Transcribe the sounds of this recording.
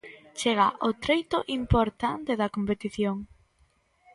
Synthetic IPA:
t͡ʃeɣ̞ɐʔot̪ɾejt̪ʊʔimpoɾt̪ant̪eðɐkompet̪iθjoŋ

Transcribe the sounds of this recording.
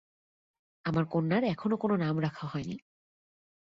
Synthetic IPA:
amaɹkonːaɹɛkʰɔnokononamɹakʰaɦɔjnḭ

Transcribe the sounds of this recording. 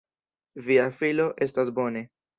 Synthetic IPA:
viafiloʔe̞stasbo̞ne̞

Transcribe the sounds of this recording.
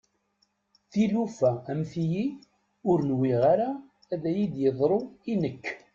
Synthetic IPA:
θilufææmθiji | ʊɾnwiʁaɾaː | ðæjid̪jəðˤɾˤoinəkː

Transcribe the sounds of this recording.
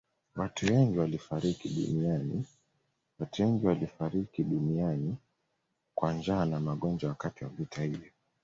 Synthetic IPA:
watʰuwɛŋɡiwalifaɾikiɗṵnianḭ | watuwɛŋɡiwalifaɾikiɗuniani | kwand͡ʒaːnamaɠɔnd͡ʒawakatiwavitahivjɔ

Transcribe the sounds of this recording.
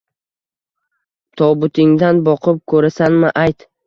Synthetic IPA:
t̪ʰɒbʊt̪ʰɪŋd̪anbɒqʰɨp̚kʰɵɾasanmɪʔajt̪

